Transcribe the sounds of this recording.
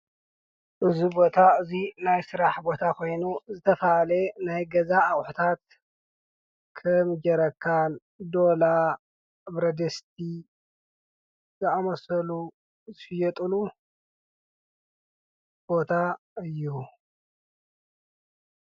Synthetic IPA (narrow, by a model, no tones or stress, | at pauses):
ʔɨzubo̞t̪ʰaɨzinajsɨɾaħbo̞t̪ʰakʰo̞jnuzɨt̪ʰɐfɐalenajɡɐzaʔːwħut̪ʰat̪̚ | kʰɐmd͡ʒɐɾɐkʰːan | d̪o̞la | bɾɐd̪ɐst̪̚ʰi | zɨamɐsɐlu | zɨʃɪjɛt̪ʼɨlu | b̥o̞t̪ʰa | ɨjːu